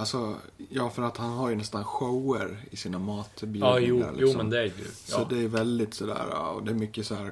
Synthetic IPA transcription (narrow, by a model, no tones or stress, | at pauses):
alsɔjɑːfœɾat̪hanɦaɾjʉnɛst̪anɧoʊəɾɪsiːnamɑːt̪byːuːa̰ɾlɪkːsɔmɛnmd̪ɛæjʉ̰sɔd̪ɛːɾvɛld̪ɪt̪sɔd̪æ̰ːɾa̰ɔ̰d̪ɛːɾmʏkːəsɔæːɾ